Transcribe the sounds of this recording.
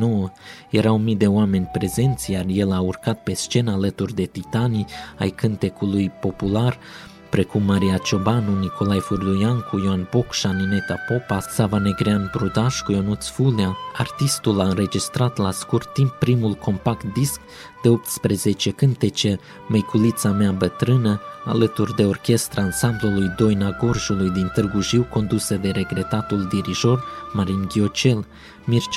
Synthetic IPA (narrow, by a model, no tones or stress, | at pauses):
nowəje̞ɾawmid̪e̞oame̞nʲpɾe̞ze̞nt̪sʲjarje̞laurkat̪̚pe̞st͡ʃe̞naalət̪urʲd̪e̞t̪it̪ania̰jkɨnt̪e̞kulujpo̞pular | pɾe̞kumːaɾijat͡ʃo̞banunikʰo̞lajfurd̪ujaŋkʰujoanbokʃanine̞t̪apo̞pasavane̞ɡɾeanbɾud̪aʃkujonut̪sfuleaart̪ist̪ulaɨnre̞d͡ʒist̪ɾat̪laskurt̪ːimpːɾimulkʰo̞mpakt̪̚d̪isk | d̪̥e̞o̞p̚t̪spɾe̞ze̞t͡ʃe̞kɨnt̪et͡ʃe | mejkʰulit̪sameabət̪ɾɨnəa̰lət̪urd̪e̞o̞rkʲe̞st̪ɾaansamblulujd̪o̞jnaɡo̞rʒulujd̪int̪ɨrɡuʒiwko̞nd̪usəd̪e̞ɾe̞ɡɾe̞t̪at̪uld̪iɾiʒo̞rmaɾinɡʲio̞t͡ʃe̞l | mirt͡ʃ